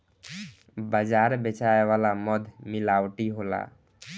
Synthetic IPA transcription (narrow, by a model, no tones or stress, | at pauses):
bəd͡ʒaɾbet͡ʃaeʋalamɔd̪ʱmilawʈiɦola̰